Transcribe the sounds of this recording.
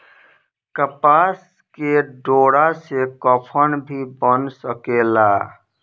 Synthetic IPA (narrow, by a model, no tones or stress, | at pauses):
kəpas | keɖoɽasekəpʰənbʱibənsəkela